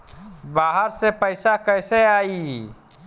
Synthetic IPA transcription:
baːɦəɾsepəɪsakəɪseaːi

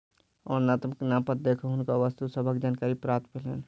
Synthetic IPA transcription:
ɔɾnat̪məknapət̪̚d̪ekʰoɦʊnkaʋəst̪usəbʱəkd͡ʒaːnkaɾipɾap̚t̪bʱelḛn

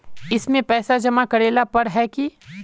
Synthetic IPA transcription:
ɪsmẽpɛːsad͡ʒɐmakɐɾeːlapɐɾɦɛki

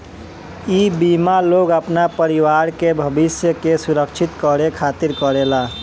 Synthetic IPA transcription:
iːbimaloːɡəpnapəɾiwaːɾkebʱəbɪsjəkesʊɾəkt͡ʃʰɪt̪kəɾekʰaːt̪iɾkəɾela

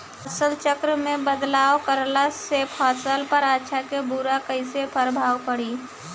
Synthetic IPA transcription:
əsəlt͡ʃəkɾəmẽbəd̪laːwkəɾlasepʰɔːsəlpəɾaːʃʰakebuɾakəɪsepʰəɾbʱaːwpəɽiː

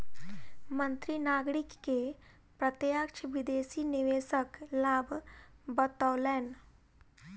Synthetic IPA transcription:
mə̃nt̪ɾinaːɡɾɪkːe | pɾət̪jakʃʰʋɪd̪eːsinɪʋeːsəklaːbʱbət̪ɔːlɛːn

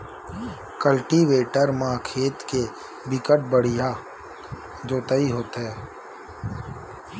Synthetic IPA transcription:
kəlʈiʋeːʈəɾmãːkʰeːt̪ke | bɪkəʈ̚bəɽ̤ija | d͡ʒoːt̪əiɦoːt̪ɦɛː

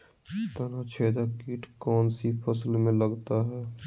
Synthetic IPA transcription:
t̪əɾat͡ʃʰeːd̪akiːʈkɔːnsifʰɐslmẽləɡt̪aɦɛː

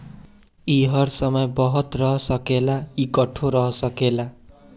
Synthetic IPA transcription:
iɦʌrsʌmʌjbʌɦʌt̪rʌɦʌsʌkelaikʌʈʰoɾʌɦʌsʌkela

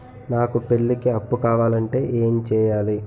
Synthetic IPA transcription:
naːkupe̞ɭːikiɐpːukaːʋaːlɐɳʈe̞ːʔeːmt͡ʃɛːjaːli

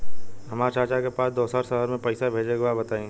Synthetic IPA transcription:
ɦɐmaːɾt͡ʃaːt͡ʃakepaːsd̪oːsaːɾsəɦəɾmẽpɐɪsabʱeːd͡ʒeɡabɐt̪aːĩː

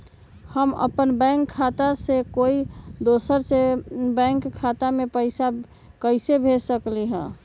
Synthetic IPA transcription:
həmə̰pənbɛ̃ŋkʰːat̪asekoid̪osəɾsebɛ̃ŋkʰːat̪amepəɪsa | kəɪsebʱesəkliɦə̰̃

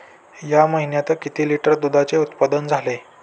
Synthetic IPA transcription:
jaməɦinjat̪əkit̪iːliʈəɾd̪ud̪ʱat͡seut̪pad̪ənd͡zʱale

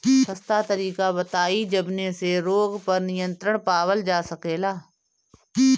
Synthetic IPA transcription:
səst̪at̪əɾiːkabət̪aːid͡ʒɐbneseɾoːɡpɐɾnɪjə̃nt̪ɾəɽ̃paːwəld͡ʒaːsəkeːlaː

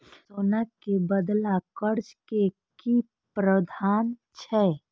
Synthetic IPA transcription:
soːnakebəd̪lakəɾd͡ʒke | ki | pɾəd̪ʱaːnt͡ʃʰɛː

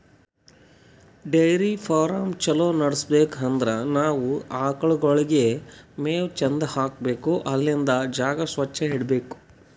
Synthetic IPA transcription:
ɖejɾipʰaːɾɐmt͡ʃɐloːnɐɽsbeːkɦɐnd̪ɾɐnaːʋuaːkɐɭuɡɔɭiɡe̞meːʋt͡ʃɐnd̪ɐhaːk̚beːkuʔɐlːind̪ɐd͡ʒaːɡɐsʋɐt͡ʃːɐɦiɽbeːku̥

